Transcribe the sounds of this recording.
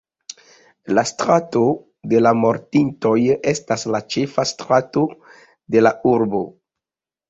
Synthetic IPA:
lastɾato̞ | de̞lamo̞ɾtinto̞je̞staslat͡ʃe̞fastɾato̞ | de̞lauɾbo̞

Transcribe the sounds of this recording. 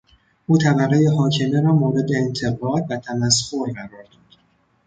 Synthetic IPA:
ʔuːt̪ʰæbæɣejeɦɒːcʰe̞me̞ɾɒːmoːɾe̞d̪e̞ːnt̪ʰe̞ɣɒːd̪bæt̪ʰæmæshoɾɢæɾɒːɾd̪ɒːd̪̥

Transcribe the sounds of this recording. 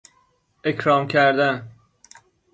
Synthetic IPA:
ecʰɾɒːmcʰæɾd̪æn

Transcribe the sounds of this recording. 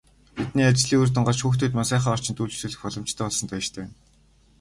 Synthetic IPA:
pet̪niːat͡ɕɮiːŋurt̪̬ə̆ɴɢɔt͡ɕxuːxt̪ʰuːt̪mansæːχaːɔr̥t͡ɕɪ̆nt̪uːɮt͡ɕsɘ̆ːɮɘ̆xpɔɮɞ̆m̥t͡ɕt̪ʰæːɔɮsɞ̆nt̪ʰœ̆ʃt̪ʰeæːn

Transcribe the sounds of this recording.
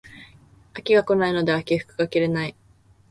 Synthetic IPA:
akʲiɡako̞naino̞d̪e̞akʲiɸɯ̥kɯ̟ɡakʲiɾe̞nai

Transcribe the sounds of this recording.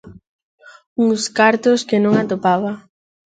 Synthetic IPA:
uŋskaɾt̪oskɪnõŋat̪opaβɐ

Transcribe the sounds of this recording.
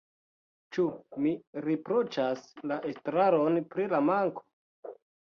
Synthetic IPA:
t͡ʃumiɾepɾot͡ʃaslaʔestɾaɾonpɾilamaŋko̥

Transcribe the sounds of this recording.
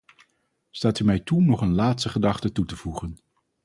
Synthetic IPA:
staːtymɛjtunɔχənlaːtstəχədɑχtətutəv̥uχən

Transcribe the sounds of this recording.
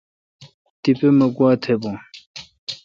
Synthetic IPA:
t̪ipeməkuwat̪ʰepoŋ

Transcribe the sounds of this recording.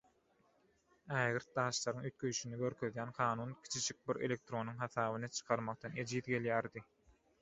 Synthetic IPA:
æːɣiɾt̪̚d̪ɑːʃlˠɑɾɯŋyt̪̚kʰøjʃynyɡøɾkʰøðjæːnqʰɑːnuːnkʲʰi̥t͡ʃʰid͡ʒik̚biɾe̞̰lʲe̞k̚t̪ɾo̞nuŋɦɑθɑːβɯnɯt͡ʃʰɯ̥qʰɑɾmɑq̚t̪ɑne̞d͡ʒiːðɡe̞ljæːɾd̪i

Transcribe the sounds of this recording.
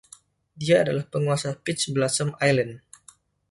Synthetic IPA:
diaːdalahpəŋuasapɪt͡ʃbəlasəmajlən

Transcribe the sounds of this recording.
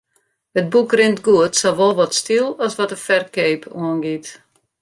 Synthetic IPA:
hət̚bukrɪntɡuətsɔlʋɔlˠʋɔtstilˠɔsʋɔtəfɛrkeːpuənɡit

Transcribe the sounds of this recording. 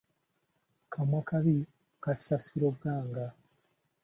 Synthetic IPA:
kʰamwakaβi | kasasiɾoɡaːŋɡa

